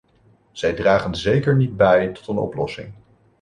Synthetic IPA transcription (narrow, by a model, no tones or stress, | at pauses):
z̥ɛjdraːχənzejkəɹnid̚bɛjtɔ̥tənɔ̰plɔsɪ̰ŋ